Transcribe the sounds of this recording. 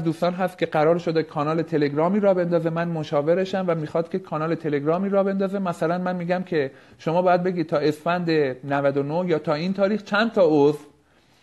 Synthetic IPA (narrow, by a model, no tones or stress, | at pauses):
zd̪uːst̪ɒːnɦæst̪̚cʰʲe̞ɢæɾɒːɾʃo̞d̪ekʰɒːnɒːle̞t̪ʰe̞le̞ɡɾɒːmiːɾɒːbe̞nd̪ɒːze̞mænmoʃɒːve̞ɾe̞ʃæmvæmiːxɒːd̪̥cʰe̞kʰɒːnɒːle̞t̪ʰe̞le̞ɡɾɒːmiːɾɒːbe̞nd̪ɒːze̞mæsælænmænmiːɡæmcʰe̞ʃo̞mɒːbɒːjæd̪̚be̞ɡʲiːd̪̚t̪ʰɒːe̞sfænd̪e̞nævæd̪onohjɒːt̪ʰɒːiːnt̪ʰɒːɾiːxt͡ʃʰænd̪̚t̪ʰɒːoz